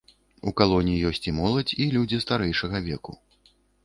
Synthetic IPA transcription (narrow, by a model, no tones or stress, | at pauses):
ukalˠɔnʲijijɔsʲt͡sʲimɔlˠɐt͡sʲilʲud͡zʲist̪aɾɛjʂɐɣɐvʲɛkṵ